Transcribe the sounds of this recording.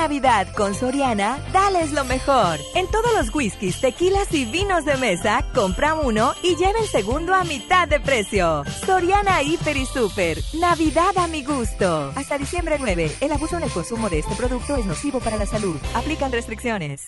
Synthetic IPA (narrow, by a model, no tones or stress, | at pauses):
aβiðaðko̞nso̞ɾjanaðale̞zlo̞mexoɾe̞nt̪o̞ðozlo̞zɣwiskist̪e̞kilasiβino̞zðe̞me̞sakompɾauno̞iʝeβelse̞ɣũnd̪oamit̪aðːe̞pɾe̞sjoso̞ɾjanaifeɾisupeɾnaβiðaðamiɣust̪oast̪aðisjembɾenwe̞βeːlaβusonelko̞nsumo̞ðeest̪e̞pɾo̞ðuk̚t̪o̞ezno̞siβo̞paɾalasaluðaplikanrest̪ɾiksjo̞ne̞̰s